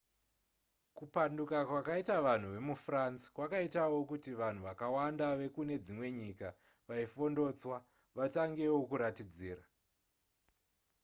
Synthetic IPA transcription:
kupandukakwakaitaʋan̤uʋe̞mufransi̥kwakaitawo̞kutiʋan̤uʋakawandaʋe̞kune̞d͡zimwe̞ɲika | ʋaifo̞ndo̞ːt͡swa | ʋataŋɡe̞wokuɾatid͡ziːra

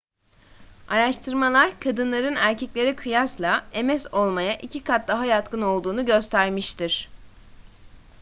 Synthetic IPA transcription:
aɾaʃt̪ʰɯɾmalˠaɾkʰad̪ɯnlˠaɾɯnæɾcʰɛclʲe̞ɾikʰɯjaslˠae̞mɛso̞lˠmajaʔicʰikʰat̪̚d̪aɦajat̪kɯno̞lˠd̪uːnuɟø̞st̪ʰæɾmiʃt̪iɾ̝̥

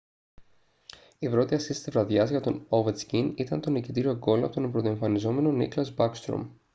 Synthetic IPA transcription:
ipɾo̞t̪iɐsist̪it̪izvɾɐðʝɐzʝɐt̪o̞novet͡scinit̪ɐnt̪o̞nicit̪iɾio̞ɡo̞loɐpot̪onempɾot̪oe̞ɱfɐnizo̞me̞no̞nḭklɐzbɐkst̪ɾo̰m

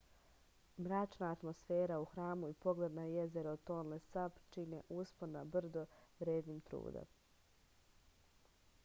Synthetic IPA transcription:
mɾat͡ʃnaːt̪mo̞sfeːɾauxɾaːmuipo̞ɡled̪najezeɾot̪o̞ːnlesapt͡ʃinḛʔuspoɾnabr̩d̪oʋɾeːd̪nimt̪ɾṵːd̪o̰m

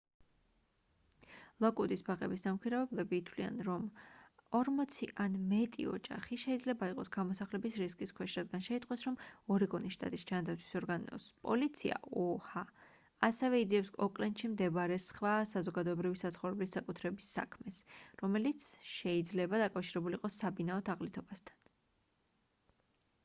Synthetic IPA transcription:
lˠɔkʼud̪ʼisbaʁʼɛbisnamkʰiɾavɛblɛbiːt̪ʰwlia̰nɾɔmɔɾmɔt̪sʰiʔanmɛt̪ʼḭɔ̰d͡ʒa̰χiʃɛid̪zlɛbaiqʼɔsɡ̥amɔsaχlɛbisɾiskʼiskʰwɛʃɾad̪̚ɡanʃɛit̪ʼqʼwɛsɾɔmɔɾiɡɔniʃt̪ʼa̰t̪ʼisd͡ʒand̪at̪sʰwi̥sɔɾɡanɔ̰spʼɔ̰lit̪sʰia̰ʔɔha | asɛvɛid̪ziɛpsɔkʼlɛnt̪ʃimd̪ɛbaɾɛsχvasazɔɡad̪ɔɛbɾivisat̪sʰχɔvɾɛblisːakʼut̪ʰɾɛbisːa̰kʰmɛsɾɔmɛlit̪sʰʃɛid̪zlɛbad̪akʼafʃiɾɛbuliqʼɔsːabinaɔt̪ʰaʁlit̪ʰɔbast̪ʰḁn

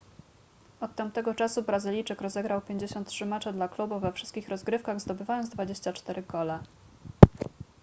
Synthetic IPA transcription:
ɔt̪ːampt̪ɛɡɔt͡ʂasubɾazɘlʲijt͡ʂɘkɾɔzɛɡɾawpʲjeɲd͡ʑeɕɔnt̪tʂɘmɛt͡ʂɘd̪laklubuvɛfʂɘst̪̚kʲixɾɔzɡɾɘfkaɣzd̪ɔbɘvajɔnzd̪vad͡ʑeɕt͡ɕat͡ʂt̪ɛɾɘɡɔlɛ

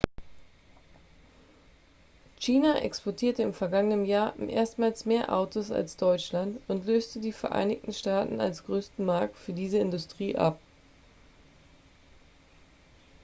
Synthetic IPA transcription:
t͡ʃiːnaʔɛ̰kspɔɐtʰiːɐtəɪmfɛɐɡaŋənənjaːɐʔḛːɐstmaːlsmeːɐʔa̰ʊtʰosa̰lsd̥ɔʏt͡ʃlantʊntløːstədiːfɛɐʔa̰ɪnɪçtn̩ʃtaːtn̩a̰lsɡ̥ʁøːstn̩maɐk̚tfyːɐdiːzəɪndʊstʁ̥iːʔa̰p̚

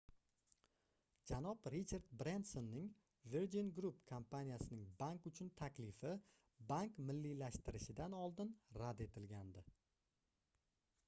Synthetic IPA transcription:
d͡ʒanɒbɾit͡ʃʰaɾd̪bɾensonːɪŋ | viɾd͡ʒinɡɾupkʰampʰanijasɪnɪŋbaŋkʊt͡ʃʰʊnt̪ʰakʲlɪfɪ | baŋkmɪlːilaʃt̪ɪɾɪʃɪd̪anɒlˠd̪ɪnɾad̪e̞t̪ʰɪlɡʲand̪ɪ

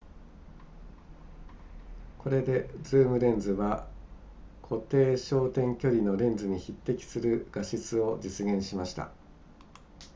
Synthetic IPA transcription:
kʰo̞ɾe̞d̪e̞d͡zɨːmɯ̟ɾẽ̞nd͡zɨβa | kʰo̞t̪e̞ːɕo̞ːt̪ẽ̞ŋkʲo̞ɾʲino̞ɾẽ̞nd͡zɨɲ̟içit̪ːe̞kʲi̥sɨɾɯ̟ɡ̥aɕit͡sɨo̞d͡ʑit͡sɨɡẽ̞ɰ̃ɕimaɕi̥t̪a̰

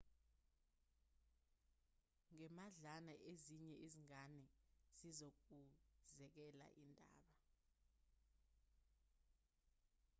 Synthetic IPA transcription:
ŋɛmaɮanaʔeziɲɛʔiziŋanɛz̥izok̬uzɛk̬ɛla̰ʔindʱa̰ːɓa

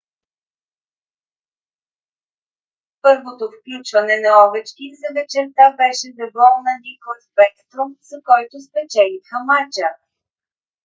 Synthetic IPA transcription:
pɤɾvot̪ofklʲut͡ʃvɐnɛnɐɔvɛt͡ʃkʲizɐvɛt͡ʃɛɾt̪abɛʃɛzɐbɔlˠnɐd̪ikonspɛkt̪ɾomzɐkɔjt̪ʊspɛt͡ʃɛlixəmat͡ʃə

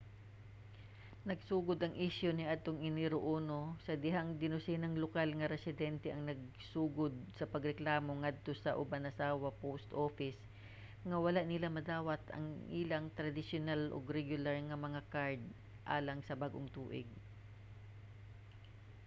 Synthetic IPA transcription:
nɐɡ̚suːɡod̪ɐŋʔiʃjonɪʔad̪̚t̪oŋɪnɪɾoʔoːno̞sɐd̪ɪɦaŋd̪ɪnʊsɪnɐŋlokalŋɐɾɛsɪd̪ɛnt̪ɛʔɐŋnɐɡ̚ | suːɡod̪̚sɐpɐɡɾɛklaːmo̞ŋad̪̚t̪o̞sɐʔʊbanʔɐsaːwɐpost̪ʔoːfɪs | ŋɐwɐlaʔnɪlamɐd̪aːwɐt̪ɐ̰ŋʔilɐŋt̪ɾɐd̪ɪsjonalʔo̰ɡɾɛɡjʊlaɹŋɐmɐŋakaɹd̪̚ | ʔa̰ːlɐŋsɐbaɡʔoŋt̪uːʔɪ̰ɡ̚

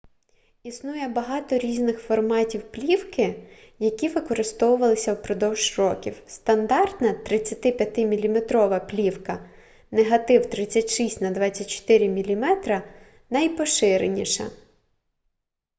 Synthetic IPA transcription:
isnujɛbɐɦɑt̪ɔɾʲiznɪxfɔrmɑtʲiwplʲiwkɪ | jɐkʲiʋɪkɔɾɪst̪ɔwʊʋɐlˠɪsʲɐwpɾɔd̪ɔwʒrɔkʲiwst̪ɐnd̪ɑrt̪nɐt̪ɾɪt͡sʲːɐt̪ɪpʲjɐt̪ɪmʲilʲimet̪ɾɔʋɐplʲiwkɐ | neɦɐt̪ɪwt̪ɾɪt͡sʲːɐtʲʃisʲtʲnɐd̪ʋɑt͡sʲːɐt̚ʲt͡ʃɔ̥t̪ɪɾʲɪmʲilʲimɛt̪ɾɐ | nɐjpɔʃɪɾenʲiʃɐ̰

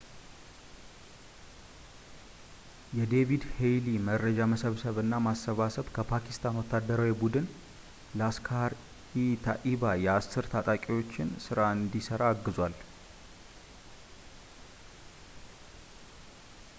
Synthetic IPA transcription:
jɛd̪e̞vid̪hejliməɾːəd͡ʒaməsəβsəβɨnːamasːəβasəβkʰəpʰakʰi̥st̪ʰanwɔt̪ʰːad̪ːəɾawibud̪ɨn | ləaskʰaɾ | it̪ʰa̰ʔiβajɛasɨɾt̪ʰat̪ʼakʼiwo̞t͡ʃːɪnsɨɾaɨnd̪isəɾaːɡːɨzwal

